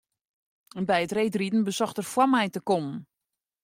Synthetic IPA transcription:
ɛnbɛjətrejtridn̩bəsɔxtərfwamɛjtəkɔmən̩

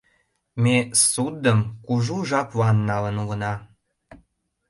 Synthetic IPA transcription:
mesud̪əmkuʒuʒɑpβɑnːɑlənuɣənɑ

